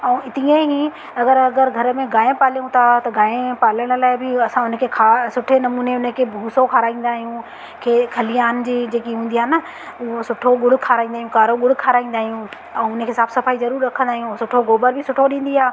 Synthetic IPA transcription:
ɛ̃ɪt̪iẽɦi | ɐɡəɾɐɡəɾɡʱɐɾəmẽɡaːẽpaːljũt̪ʰat̪ɐɡaːẽpaːləɽ̃laːɪbɪɐsãʊnə̃kʰekʰaːsʊʈʰenɐmuːneʊnə̃kʰeːbʱuːsokʰaːɾaːĩːn̆d̪aːɦijũ | kʰeːkʰɐlɪjaːnd͡ʑiːd͡ʑeːkiɦũːn̆d̪iaːɦnɐ | uɦosʊʈʰoɠʊɽ̤kʰaːɾaːĩnd̪aːɦjũkaːɾoɠʊɽ̤ʊkʰaːɾaːĩːnd̪aːɦijũ | ɛ̃ːʊnə̃kʰeːsaːbsɐfaːizɐɾuːɾɾɐkʰə̃nd̪aːɦijũsʊʈʰoɡoːbəɾbʱɪsʊʈʰoɗĩːn̆d̪iaː

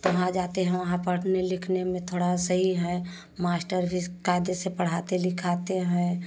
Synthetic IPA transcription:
t̪oɦãd͡ʒaːt̪eɦɛ̃ʋɐɦãpəɽ̤nelɪkʰnemẽt̪ʰoːɽasəɦiɦɛ̃ | maːsʈəɾbʱikaɪd̪esepəɽ̤aːt̪elɪkʰat̪eɦɛ̃

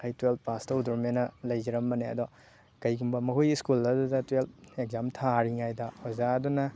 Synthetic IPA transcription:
kʰajtwelt̚pastɐud̪uɾmenɐlɐjziɾɐmːɐneɐ̰d̪ɔ | kɐjɡumbɐmɐɦujiskulɐdudɐtweltek̚zamtʰaɾiŋajdɐhɔzaɐdunɐ

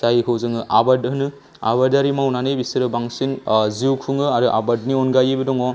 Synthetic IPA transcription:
zajkʰɯwzɯŋɯʔabadɦɯnɯ | a̰βadaɾimawnanɯjbisɯɾɯbaŋsinziwkʰuŋɯaɾuʔa̰bad̚niɔnɡajɯbɯdɔŋɔ

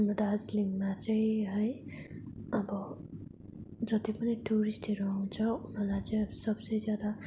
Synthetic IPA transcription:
nʌd̪ad͡zliŋɡmat͡sʌĩɦʌj | ʌbʌ | d͡zʌt̪ipʌniʈuɾisʈeɾʌɦũw̃t͡sʰʌunʌrlajt͡sʌj̃ʌbʌsʌbsʌjd͡zjad̪a

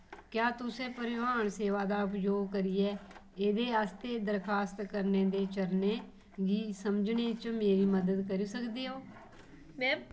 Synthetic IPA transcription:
kjaːt̪ʊsẽːpəɾɪʋaːɳseːʋaːd̪aːʊpd͡ʒoːɡkəɾiːɛː | eːd̪eːaːst̪eːd̪əɾkʰaːst̪kəɾneːd̪eːt͡ʃəɾneː | ɡiːsəmd͡ʒneːt͡ʃmeːɾiːməd̪əd̪kəɾiːsəkd̪eːɦoː | mɛ̃ː

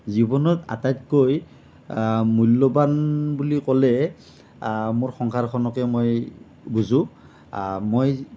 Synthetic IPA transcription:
zibɔnɔta̰tajtkoj | mulːɔbanbulikɔlɛ | mʊɹxɔŋkʰaɹkʰɔnɔkɛmoj | buzʊ̃ | moj

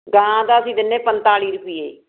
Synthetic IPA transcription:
ɡãːd̪aːəsĩːd̪ɪnːeːpənt̪aːliːɾəpiːḛː

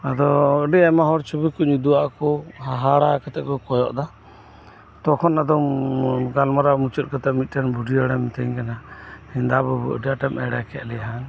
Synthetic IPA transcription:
ad̪ɔɔɖɛamaɦɔɾt͡ʃʰɔbikɔɲud̪uaʔkɔɦaɦaɽakat̪ɛʔkɔkɔjɔ̰ʔd̪a | t̪ɔkʰɔnad̪ɔmɡalmaɾamut͡ʃɔt̪̚kɔt̪ɛmit̪̚ˀʈanbʱuɖiaɽamit̪ɛɲkanahind̪abɔbuʔɔ̰ɖɛaʈɛmɛɽakɛʔlɛjɦan

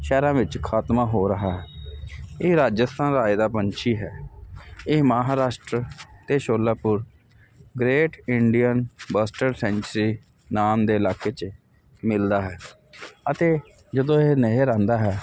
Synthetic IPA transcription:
ʃɛːɾãːʋɪt͡ʃkʰaːt̪mãːɦoːɾəɦaːɦɛː | eːɾaːd͡ʒəst̪ʰãːnɾaːɪd̪aːpəɲt͡ʃiːɦɛː | eːmaɦaːɾaːʃʈɾət̪eːʃoːlːaːpʊɾ | ɡɾeːʈɪɳɖijənbasʈəɾsɛ̃ːɲt͡ʃɾiː | naːmd̪eːɪlaːkeːt͡ʃ | mɪld̪aːɦɛː | ət̪eː | d͡ʒəd̪õːeːneɦːɾãːnd̪aːɦɛː

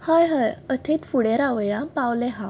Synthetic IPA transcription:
həjɦəjət̪ʰit̪fuɽeɾaʋjapawlɛɦã

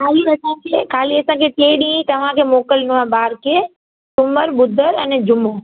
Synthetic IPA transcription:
kʰaːliɐsãkʰeːkʰaːliɐsãkʰeʈeːɗĩːt̪ɐʋ̤ãkʰeːmoːkəlnuabaːɾkʰeː | sʊməɾɓʊd̪ʱəɾɛnɛd͡ʑʊmoː

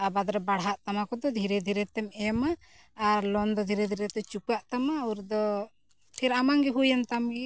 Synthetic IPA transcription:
abad̪ɾɛbaɽɦaʔt̪amakɔd̪ɔd̪ʱiɾɛd̪ʱiɾɛt̪ɛmɛmaː | ɾlɔnd̪ɔd̪ʱiɾɛd̪ʱiɾɛt̪ɛt͡ʃukuaʔt̪amauɾd̪ɔ | pʰɛɾamaŋɡɛɦujant̪amɡɛ

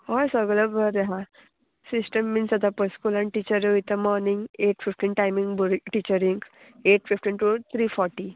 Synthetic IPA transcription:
ɦɔjsəɡləbəɾeɦã | sisʈəmːiːnsəd̪apəskulãɳʈit͡ɕəɾəit̪əmɔɾniŋɡeʈfifʈiːnʈajmĩŋɡbuɾʈit͡ɕəɾiŋɡ | eʈfifʈiːnʈut̪ʰɾifɔɾʈi

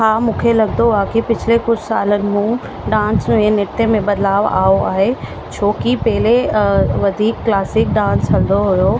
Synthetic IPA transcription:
ɦaːmũːkʰelɐɡ̚d̪oaːkipɪt͡ɕʰlekʊd͡ʑʱsa̰ːlənɪ̆mũ | ɖãːnsẽnɪt̪ẽmẽbɐd̪laːʋa̰ːoa̰ːɦe | t͡ɕʰoːkipɛɦɪleʋɐd̪ʱiːkːlaːsɪk̚ɖãːnsʰɐɽd̪oɦʊjoː

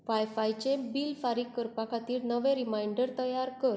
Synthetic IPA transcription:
ʋajfajt͡ɕebiːlfaɾiːkːəɾpakʰat̪iːɾnəʋẽɾimaiɳɖəɾt̪əjaɾkəɾ

